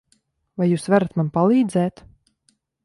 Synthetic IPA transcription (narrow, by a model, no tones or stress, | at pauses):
vajuːsvaɾat̪manpalˠiːd̪zɛːt̪